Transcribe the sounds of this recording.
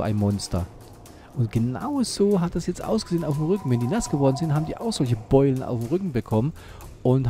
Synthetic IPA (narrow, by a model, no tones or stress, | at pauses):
ʔa̰ɪnmɔnstɐ | ʔʊntɡ̥əna̰ʊz̥oːɦat̚d̥asjɛt͡stʔa̰ʊsɡ̥əzeːənaʊfm̩ʁʏkŋ̩vɛndiːnasɡ̥əvɔɐdn̩zɪntɦaːbm̩diːʔa̰ʊxz̥ɔlçəb̥ɔʏlənʔa̰ʊfm̩ʁʏkŋ̩bəkʰɔmən | ʔʊnth